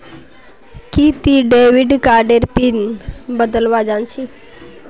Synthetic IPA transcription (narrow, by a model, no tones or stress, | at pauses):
kit̪iɖeʋiɖkaɾɖeɾpinbəd̪əlʋad͡ʒãnt͡ʃʰi